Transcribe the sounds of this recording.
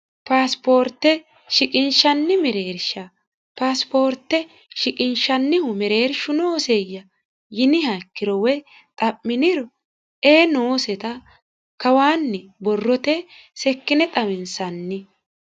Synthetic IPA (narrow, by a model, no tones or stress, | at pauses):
paːspo̞ːɾt̪ːɛ | ʃɪkʼɪnʃɐnːɪmɛɾe̞ːɾʃɐ | paːspo̞ːɾt̪ːɛ | ʃɪkʼɪnʃɐnːɪhʊmɛɾe̞ːɾʃʊnoːsejːɐ | jɪnɪhakːɪɾɔwɛ | t̪ʼɐpːɪnɪɾɔ | eːnoːsɛt̪ɐ | kɐwaːnːɪbɔrːɔt̪ɛsɛkːɪnɛt̪ʼɐmɪnsɐnːɪ